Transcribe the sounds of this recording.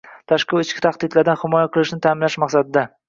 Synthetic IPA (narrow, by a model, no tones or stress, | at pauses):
t̪ʰaʃqɨlɪt͡ʃkʲɪ̥t̪ʰaχd̪ɪd̪laɾd̪anhɪmɒjaqʰɨlˠɪʃnɪt̪ʰaːmɪnlaʃmaqsad̪ɪd̪a